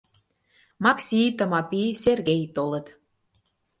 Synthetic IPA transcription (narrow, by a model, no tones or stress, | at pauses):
mɑksʲijt̪ə̆mɑpiserɣejt̪olə̆t̪